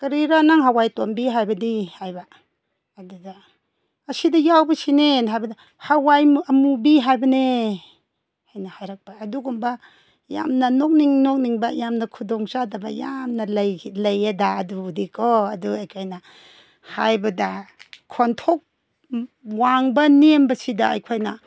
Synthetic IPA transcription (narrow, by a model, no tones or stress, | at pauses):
kɐɾiɾanaŋɦawajtombiɦajbɐdihajbaː | dudaː | sidɐjawbɐsinenɦajbɐda | hawajmɐmubiɦajbɐne | hajnahajɾak̚b̥aːduɡumba | ja̰mnɐnok̚niŋnok̚niŋbɐjamnɐkʰudɔŋsadɐbɐ̰jamnɐjlɐjadaːdudikʰoɐduɐjkʰojnɐ | ha̰jbɐdɐkʰontʰok̚ | waŋbɐnembɐsidɐ̰ːjkʰojnɐ